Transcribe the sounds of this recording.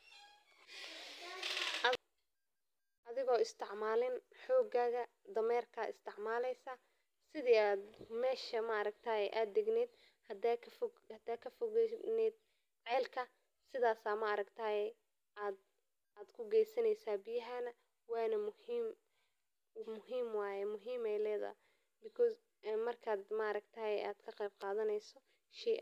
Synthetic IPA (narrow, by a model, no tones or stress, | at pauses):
ʔɐðɪɣɔːɪst̪ʰɪʕmaːlɪnħɔːɡaːɣɐ | d̪ɐmɛːrkʰɐːɪ̰st̪ʰɪʕmaːlɛjsɐ | sɪðiːaːd̪mɛːʃɐmɐɐɾɐɡ̚t̪ʰaːjɛjʔaːd̪̚ːɪɡnɛːd̪ | hɐd̪ʰf | hɐd̪aːkʰɐfʊɣɛnɛːd̪̚ | ʕɛːlkʰɐ | sɪðaːsaːmɐɐɾɐɡt̪ʰaːjɛ | aːd̪ | aːd̪kʰʊɡɛjsɐnɛjsaːbɪjɐɦanɐ | wɑːnɐmʊhiːm | mʊɦiːmwɑːjɛmʊɦiːmɛjlɛːðɐ̰ | bɪkʰɔs | mɐrkʰaːd̪maɾɐɡt̪ʰaɛʔa̰ːd̪kʰɐqɛjb̚qɑːðɐnɛjsɔ | ʃɛʔ